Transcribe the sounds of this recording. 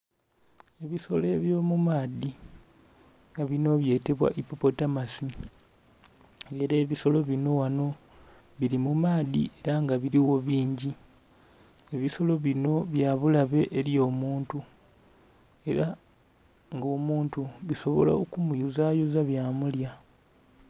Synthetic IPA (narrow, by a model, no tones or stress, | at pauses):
e̞βiso̞le̞ːβjo̞ːmumaːdi | ŋɡaβino̞βje̞ːte̞βwa̰ʔipopo̞tamasi | eɾeːβiso̞lo̞βino̞wano̞ | βiɾimumaːdḭe̞ɾaŋɡaβiɾiwo̞βiːɲɟi | e̞βiso̞lo̞βino̞βjaːβulaβe̞ʔːɾjo̞ːmuːntu | e̞ɾa | ŋɡo̞ːmuːntuβiso̞βo̞̰la̰okumujuzajuzaβjaːmulja